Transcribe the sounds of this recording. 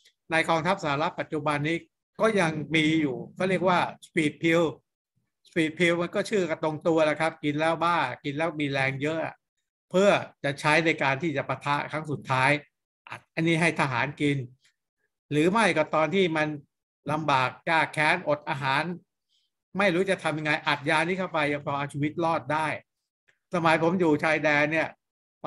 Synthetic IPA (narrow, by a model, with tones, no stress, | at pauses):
na˧jkɔː˧ŋt̪ʰa˦˥p̚saː˨˩˦ɾa˦˥t̪̚pa˨˩t̪̚t͡ɕu˨˩ba˧nːiː˦˥ | kɔː˥˩ja˧ŋmiː˧juː˨˩kʰa˥˩wɾi˥˩ək̚waː˥˩spiː˨˩t̪̚pʰi˧w | spiː˨˩t̪̚pʰi˧wma˧nkɔː˥˩t͡ɕʰɯː˥˩ka˧˩t̪o˧ŋt̪u˧ɐla˨˩kʰa˦˥p̚ki˧nlɛː˦˥wbaː˥˩ki˧nlɛː˦˥miː˧ɾɛː˧ŋjɤ˦˥ʔa̰˨˩ʔ | pʰɯ˥˩ɐt͡ɕa˨˩t͡ɕʰa˦˥jna˧jkaː˧nt̪ʰiː˥˩t͡ɕa˨˩pa˧t̪ʰa˦˥ʔkʰɾa˦˥ŋsu˨˩t̪ʰːaː˦˥j | ʔa˨˩t̪̚ʔa˧nːiː˦˥ɦa˥˩jt̪ʰa˧ɦa̰ː˩˦nki˧n | ɾɯː˩˦ma˥˩jkɔ˨˩t̪ɔː˧nt̪ʰiː˥˩ma˧n | la˧mbaː˨˩k̚jaː˧˩kʰːɛː˦˥nʔo˨˩t̪̚ʔaː˧ɦaː˩˦n | ma˥˩jɾuː˦˥t͡ɕa˨˩t̪ʰa˧mja˧ŋːa˧jʔa˨˩t̪̚jaː˧niː˥˩kʰa˥˩wpa˧jːa˧ŋpʰɔː˧ʔa˧wt͡ɕʰiː˧wi˦˥t̪̚lɔː˥˩t̪̚daː˥˩j | sa˧maː˨˩˦jpʰo˩˦mjuː˨˩t͡ɕʰaː˧jdɛː˧nːi˥˩ɐ